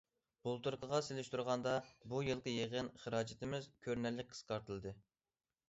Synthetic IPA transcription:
bulˠt̪uɾqʰəʁɑselɪʃt̪uɾʁɑnd̪ɑbujɨlˠqəjeʁənχəɾɑːd͡ʒɪt̪ʰɪmɪzkʲʰøɾnælːɪk̚ʲqʰə̥sqɑɾt̪ʰɨlˠɨd̪ɨ

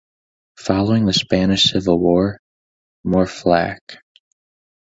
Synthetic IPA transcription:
fɑlˠoʊɪ̃ŋðɨspænɨʃsɪvl̩ˠwɔɹ | mɔɹflæ̰k

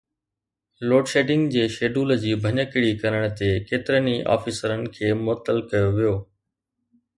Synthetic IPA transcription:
loːɖʃeːɖɪ̃ŋɡd͡ʑeːʃeːɖuːləd͡ʑiːbʱɐɲəkɪɽikɐɾəɽ̃ə̆t̪ekeːt̪ɪɾəniʔa̰ːfisəɾənɪ̆kʰeːmʊət̪ːəlkɐjoʋijoː

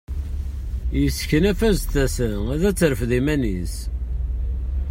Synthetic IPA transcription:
jəsçənæfæzθæsənæðæt͡sːɾəfðimænis

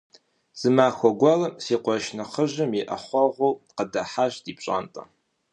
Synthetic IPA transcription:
z̥ɨmaːxʷɔɡʷɔlɐmsiːqʷɔʃnɐχəʑɐmjɛʔɐχʷɔʁʷowqədɐħaːʃdiːpɕʼa̰ːntʼɐ̰

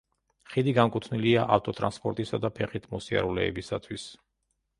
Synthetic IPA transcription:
χid̪iɡamkʼut̪ʰniliaʔaft̪ʼɔt̪ʼɾanspʼɔɾt̪ʼisad̪apʰɛχit̪ʰmɔsia̰ɾulɛ̰ːbisat̪ʰwis

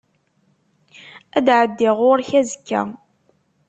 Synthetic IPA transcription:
æd̪ʕəd̪ːɪʁʊɾçæzəkːæ̰

